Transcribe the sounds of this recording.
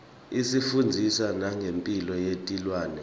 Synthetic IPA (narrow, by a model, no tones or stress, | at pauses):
isifund͡zʱisanaŋɡʱempʼilɔjetʼilwaːnɛ